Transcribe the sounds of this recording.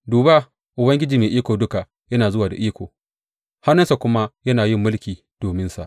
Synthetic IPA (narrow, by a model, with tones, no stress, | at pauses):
duː˨ba˦ | ʔʊ˨bɐ˦ŋɡʲɪ˦d͡ʒiː˨meː˨ʔiː˦kʷoː˨dʊ˦ka˨ʔ | jɐ˦naː˨zʊ˦waː˨da˨ʔiː˦kʷoː˨ | ha˦nːɐ˦nsa˨kʷʊ˦ma˦jɐ˦naː˨jɪ˦mːʊ˦lkʲiː˨ | d̥oː˨mɪ˦nsa̰˨ʔ